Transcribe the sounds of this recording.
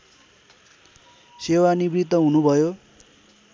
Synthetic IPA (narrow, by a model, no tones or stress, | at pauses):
sewanibrit̪ːʌɦunubʱʌjo